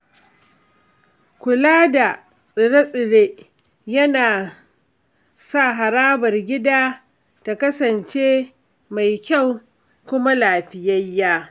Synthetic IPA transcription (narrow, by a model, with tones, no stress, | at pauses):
kʷʊ˨laː˦da˨ | sʼɪ˨ɽe˦sʼɪ˨ɽe˦ʔ | jɐ˦naː˨ | sa˦˨ɦa˨ɾaː˦bɐ˨rɡʲɪ˦daː˦ | ta˨kɐ˦sɐ˨nt͡ʃeː˦ | ma˨jkʲa˦˨w | kʷʊ˦ma˦laː˨ɸɪ˨jɐ˦jːaː˦